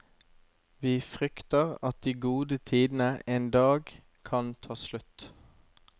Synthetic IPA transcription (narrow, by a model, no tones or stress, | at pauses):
ʋiːfʁʏkt̪əʁɑt̪̚d̪iːɡuːd̪ət̪ʰiːd̪n̩əeːnd̪ɑːɡ | kʰɑnt̪ʰɑːslʉt̪